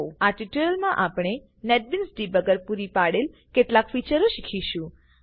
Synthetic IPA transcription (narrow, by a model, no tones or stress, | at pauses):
aʈiʈəəlmãʔapɽ̃e | nɛʈ̚binsɖibəɡəɾpuɾipaɽel | keʈlakfit͡ʃəɾoʃikʰiʃũ